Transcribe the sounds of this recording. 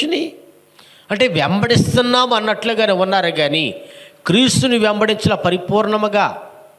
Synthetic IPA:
ni | ɐɳʈe̞ːʋɛmbɐɽist̪unːaːmuɐnːɐʈluɡaːneunːaːɾuɡaːnikɾiːst̪unuʋɛmbɐɽiɲt͡ʃɐlɐpɐɾipuːɾɳɐmuɡaː

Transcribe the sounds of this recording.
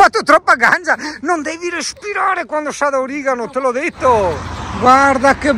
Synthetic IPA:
fat̪ːot̪ɾɔpːaɡand͡ʒanond̪ɛviɾespiɾaːɾekwand̪ost̪ad̪aoɾiːɡanot̪elɔd̪et̪ːoɡwaɾd̪ake

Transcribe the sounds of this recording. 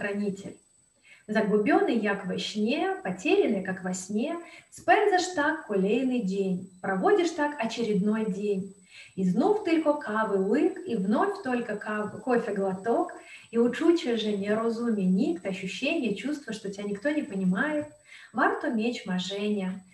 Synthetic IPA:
xɾɐnʲitʲɪ̰lʲ | zɐɡlˠʊbʲonːɨjjakvɐɕnʲepɐtʲeɾʲɪnɨjkakvɐsʲnʲespɛnzɐʂt̪akpʊlʲejnɨjdʲenʲpɾɐvo̞dʲɪʂt̪akɐt͡ɕɪɾʲɪd̪no̞jdʲenʲ | iznuft̪ɨlʲkokʰavɨlˠɨkivno̞fʲt̪o̞lʲkəkofʲɪɡlˠɐt̪okiʊt͡ʂut͡ɕɪʐɨnʲɪɾozumʲɪjənʲikt̪əɐɕːʊɕːenʲɪjət͡ɕust̪vəʂt̪otʲanʲɪkt̪onʲɪpənʲɪmajɪt̪̚ | vart̪omʲet͡ɕmɐʐɛnʲɪjə

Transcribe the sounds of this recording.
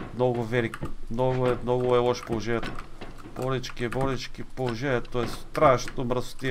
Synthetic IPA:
mnɔɡʊvɛlikmnɔɡʊɛmnɔɡʊɛlˠɔʃpolˠoʒɛnʲɛt̪o | b̥ɔɾɛt͡ʃkiɛbɔɾɛt͡ʃkʲipolˠoʒɛnʲɛt̪oɛst̪ɾaʃt̪omɾso̥t̪i

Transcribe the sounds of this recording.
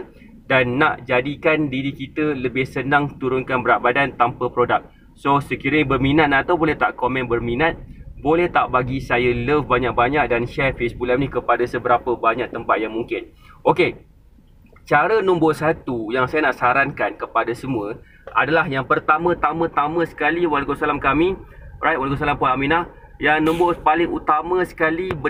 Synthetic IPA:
danːaʔd͡ʒadikandiɾikit̪ələbɪhsənãŋt̪uɾʊnkanbəɾaʔbadant̪ampəpɾodak̚ | sosəkiɾəbərmĩnat̪̚nat̪awbolɛht̪aʔkomɛ̃nbərmĩnat̪̚bolɛht̪aʔbaɡisajələfbaɲak̚baɲak̚danʃɛrfesbulamnĩkəpadasəbəɾapəbaɲãʔ̚t̪əmpat̪̚jaŋmuŋkɪn | ʔoke | t͡ʃaɾənɔ̃mbosat̪ujaŋsajanaʔsaɾankankəpadasəmuə | a̰dalahjaŋpərt̪amə̃t̪amə̃t̪amə̃sə̥kaliwalkosalamkamirajt̪̚walikosalampuamĩnah | jaŋnɔ̃mbopalɪŋut̪amə̃sə̥kalib

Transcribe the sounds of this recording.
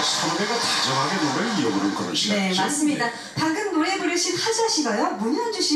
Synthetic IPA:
sʰʌŋdeɡat͡ɕad͡ʑʌŋɦaɡenoɾɯɭijobuɾɯnɡʌɾɯ̰one̞mas͈ɯmɲida | paŋɡɯmnoɾe̞bɯɾɯɭɕʰiphad͡ʑaɕʰiɡʌjomuɲiand͡ʑuɕʰi

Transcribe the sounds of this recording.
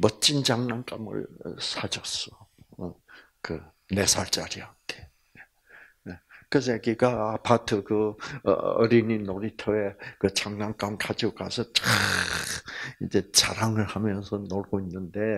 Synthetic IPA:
mʌt͡ɕ͈ind͡ʑaŋnaŋk͈amɯ̰ɭsʰad͡ʑʌs͈ʌ | kɯ | ne̞sʰaɭt͡ɕ͈aɾiate̥ | e | ekɯs̬eɡiɡaapʰatʰɯkɯ | ʌ̰ɾininoɾitʰʌe̞kɯt͡ɕaŋnaŋk͈amkʰad͡ʑiokasʰʌt͡ɕa | ind͡ʑe̞t͡ɕa̰ɾaŋɯɭhamjʌnsʰʌnoɭɡoinːɯnde̞

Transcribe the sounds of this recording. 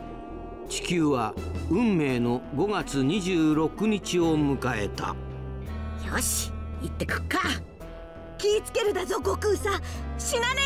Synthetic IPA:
t͡ɕi̥kʲɨːβaɯ̟̃mːe̞ːno̞ɡo̞ɡat͡sɨɲ̟iʑɨːɾo̞kɯ̟ɲ̟it͡ɕio̞mɯ̟kae̞t̪a̰ | joɕi̥it̪ːekɯ̟̥kːa | kʲiːt͡sɨ̥ke̞ɾɯ̟d̪azo̞ɡokɯːsaɕinane

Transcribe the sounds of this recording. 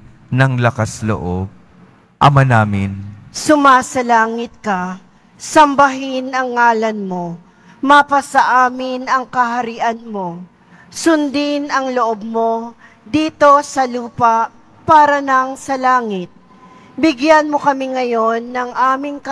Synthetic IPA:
nɐŋlɐkaslo̰ʔob̚ | ʔɐ̰manaːmɪ̰nsʊmaːsɐlaːŋɪt̪̚kɐ | sɐmbɐɦɪnɐŋːaːlɐnmo̞ | mapɐsɐʔaːmɪnɐŋkɐɦɐɾiʔɐnmo̞ | sʊnd̪ɪnɐŋloʔob̚mo̞ | d̪iːt̪o̞sɐluːpɐʔ | paːɾɐnɐŋsɐlaːŋɪt̪̚ | bɪɡjanmokɐmɪŋɐjo̞nːɐŋʔaːmɪŋkɐ

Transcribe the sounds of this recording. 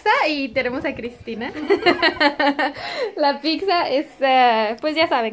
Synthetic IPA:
sɐit̪eɾemʊsakɾist̪inɐ | lapiksɐesɛpojzʒasaβẽ

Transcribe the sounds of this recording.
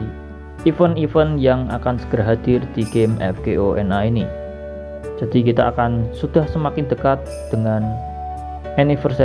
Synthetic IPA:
ifənifənjaŋa̰kansə̥ɡ̥əɾɦad̪̥ɪrd̪̥iɡemɛ̰fɡ̥eʔoʔɛ̰naini | d͡ʒ̥ad̥̪ik̬it̪aakansud̪̥ahsəmakɪnd̪əkat̪̚d̪̥əŋan | ɛnifərsɛ

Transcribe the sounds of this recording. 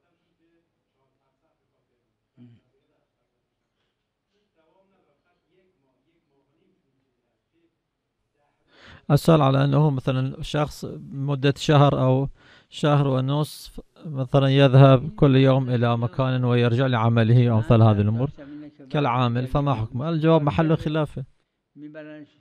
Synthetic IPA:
ʔasalʕalaʔanːahumaθalanʃɑxsˤmʊd̪ːaʃahɾʔaw | ʃahɾwɪnʊsˤ | maθalanjɪðhabkʊlːjoːmʔɪlamakʰaːnwɪjɪɾd͡ʒɪʕlɪʕamalɪhiʔawmaθalanhaːðilʔʊmuːɾkalʕaːmɪlfamaħʊkmaʔɪld͡ʒawaːbmaħalːuxɪlaːfa

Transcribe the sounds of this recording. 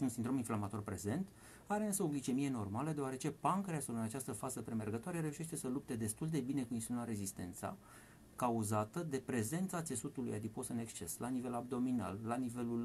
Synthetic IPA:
unsind̪ɾo̞minflamat̪o̞rpɾe̞ze̞nt̪ | aɾeɨnsəo̞ɡlit͡ʃe̞mije̞no̞rmaləd̪e̞oaɾe̞t͡ʃe̞pankəɾeasulɨnat͡ʃast̪əfazəpɾe̞me̞rɡət̪oaɾeɾe̞uʃe̞ʃt̪e̞səlup̚t̪e̞d̪e̞st̪uld̪e̞bine̞kuinst̪inunaɾe̞zist̪e̞̰nt̪sa̰ | kauzat̪əd̪e̞pɾe̞ze̞nt̪sat̪se̞sut̪uluja̰d̪ipo̞sɨne̞kst͡ʃe̞slanive̞lab̚d̪o̞mina̰lːanive̞lul

